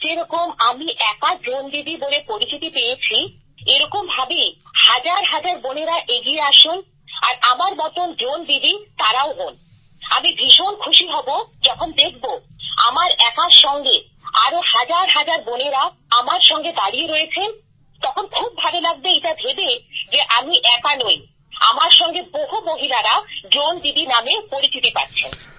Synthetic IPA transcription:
d͡ʑeɾɔkomamiʔɛkaɖɾonb̪ib̪ibolepoɾist̪ʰit̪ipejet͡ɕʰi | eɾɔkombʱabejhad͡ʑaɾɦad͡ʑaɾboneɾaʔeɡieaʃun | a̰ɾamaɾmɔt̪ondɾonb̪ib̪it̪aɾaoɦon | a̰mibʱiʃonkʰuʃiɦɔbod͡ʑɔkʰond̪ekʰbo | a̰maɾɛkaʃɔŋɡe | aɾohad͡ʑaɾɦad͡ʑaɾboneɾa | amaɾʃɔŋɡed̪aɽieɾojet͡ɕʰen | t̪ɔkʰonkʰub̚ːʱabelaɡ̚beeʈabʱebed͡ʑeʔamiʔɛkanoj | a̰maɾʃɔŋɡeboɦomoɦilaɾaɖɾond̪id̪inamepoɾit̪ʰit̪epa̰ɾt͡ɕʰḛn

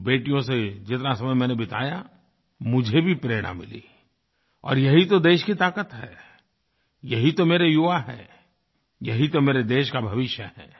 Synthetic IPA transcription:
beːʈijõsed͡ʒɪt̪nasɐməjmɛ̃ːnebɪt̪a̰ːja | mʊd͡ʒʱebʱipɾeːɽ̃a̰mɪ̰lḭː | ɔ̰ːɾjɐɦit̪od̪eːʃkit̪aːkət̪ɦɛ̰ː | jɐɦit̪omeːɾejʊʋaɦɛ̰̃ː | jɐɦit̪omeːɾed̪eːʃkabʱɐʋɪʃjə̰ɦɛ̰̃ː

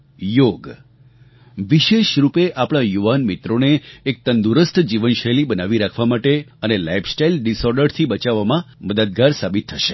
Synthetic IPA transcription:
joɡ | ʋiʃeʃɾupeʔapɽ̃ajuʋanmit̪ɾoneːk̚t̪ənd̪uɾəst̪ʰd͡ʒiʋənʃəlibənaʋiɾakʰʋamaʈeənelaipʰsʈailɖisɔɾɖəɾt̪ʰibət͡ʃaʋːamãməd̪əd̪̚ɡaɾsabit̪ʰːəʃe̥

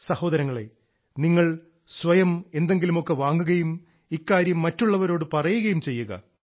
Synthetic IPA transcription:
sɐho̞ːd̪ɐɾɐŋːɐɭe | niŋːɐɭ | sʋɐjɐme̞nd̪e̞ŋɡilumokːeʋaːŋːuɣɐjum | ikːaːɾjɐmːɐtːuɭːɐʋɐɾo̞ːɽɨpɐrɐjuɣɐjumt͡ɕe̞jːuɣɐ̰

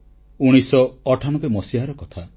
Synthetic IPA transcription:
uɽ̃isɔːʈʰañɔbemɔsiɦaɾɔkɔt̪ʰa

